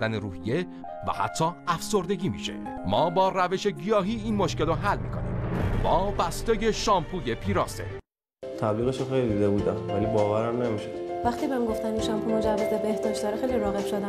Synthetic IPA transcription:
d̪æneɾuːhije | væ̰hæ̰t̪ʰːɒːæfso̞ɾd̪e̞ɟʲiːmḭːʃe̞̰ | mɒːbɒːræve̞ʃe̞ɟijɒːɦiːiːnmoʃkelɔɦælːmḭːkʰonḭːmbɒːbæst̪eːje̞ʃɒːmpʰuːje̞pʰiːɾɒːse̞̰ | t̪ʰæbliːɣeʃoxejlid̪id̪ebuːd̪æmvæliːbɒːvæɾæmne̞miʃod̥̪væxt̪iːbemɡoft̪æninʃɒmpʰumod͡ʒævːezvæbehd̪ɒːʃt̪ɒːɾexejliɾɒːɣe̞b̥ʃod̪æ

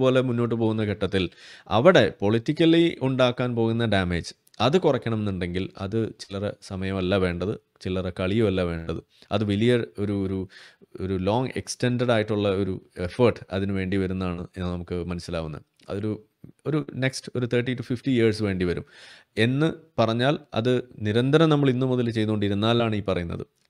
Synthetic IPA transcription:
po̞ːle̞munːo̞ːʈ̬ːɨpo̞ːɣunːɐkeʈːɐt̪ːilɐ̰ʋiɽe̞po̞ɭitːikʲːɐliʔuɳɖaːkːaːnpo̞ːɣunːɐɖaːmeːd͡ʑɨ | ɐðɨkurɐkʲːɐɳɐmenːuɳɖe̞ŋɡilɐ̰ðɨt͡ɕilːɐresɐmɐjɐmɐlːaʋe̞ːɳɖɐðɨ | t͡ɕilːɐrekɐɭijumɐlːaʋe̞ːɳɖɐðɨ | ɐ̰ðɨʋilijɐo̞ɾuoɾuoɾulo̞ːŋɡekste̞ɳɖɐɽaːjiʈːuɭːɐo̞ɾue̞fɐrʈɨ̥ɐðinɨʋe̞ːɳɖiʋɐɾunːɐaːɳɨe̞nːɨnɐmukːɨmɐnɐsːilaːɣunːɐ̰ | ɐ̰ðo̞ɾu | o̞ɾune̞ksʈɨo̞ɾut̪ʰeːʈːitːufifʈiiɐrsʋe̞ːɳɖiʋɐɾum | e̞nːɨpɐrɐɲːaːlɐ̰ðɨniɾɐnd̪ʱɐɾɐmnɐmːɐɭinːumuðɐlt͡ɕe̞jnukoɖiɾunːaːlaːɳɨiːpɐrɐjunːɐ̰ðɨ̰

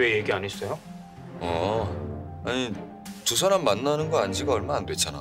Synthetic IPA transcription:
eje̞ɡiaɲɦes͈ʌjo | ʌ | aɲi | tusʰaɾamːanːanɯnɡʌand͡ʑiɡaʌɭmanandwe̞t͡ɕʰana̰

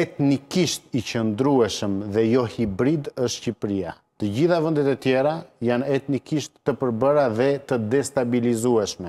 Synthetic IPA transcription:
ɛt̪nikiʃt̪it͡ɕənd̪ɾuɛʃəmðɛjɔhibɾid̪əʃt̪ʃcipɾia | t̪əd͡ʑiθavənd̪it̪ɛt̪jɛɾajanɛt̪nikiʃt̪ːəpəɾbəɾaðɛt̪əd̪ɛst̪abilizuɛʃmɛ

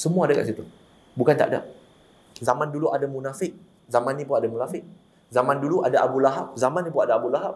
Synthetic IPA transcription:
səmuaːdaka̰ʔsit̪u | bukant̪a̰ʔda̰ | zamãnduluʔadamunafɪk̚ | zamãnːĩpʊnadamunafɪk̚ | zamãnduluʔadaʔabulaɦap̚zamãnːipʊnadaːbulaɦap̚

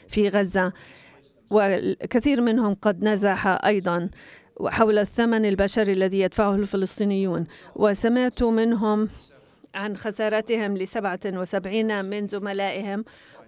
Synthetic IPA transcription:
fiɣazːa | wɪkaθiːɾmɪnhʊmqɑd̪nazaħaʔɑjd̪ˤɑnħawlaθːamanɪlbaʃaɾiʔalːaðijad̪faʕʊhɪlfɪlɨsˤt̪ˤiːnɪjːuːnwɪsamɪʕt̪umɪnɦʊm | ʕanxasɑːɾˤɑt̪ɪhɪmlɪsabʕawɪsabʕiːnamɪnzʊmalaːʔɪhɪm

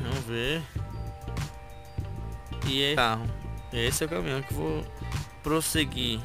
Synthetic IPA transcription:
ɐ̃m̃veɾ | iɛaɦʊɛesɪɛwkamĩɲʊkɪvopɾoseɡi

